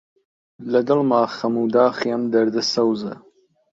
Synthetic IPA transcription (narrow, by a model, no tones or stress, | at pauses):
lɐd̪ɨlmaːχɐmuːd̪aːχijɐmd̪ɐɾd̪ɨsɐwzɐ̰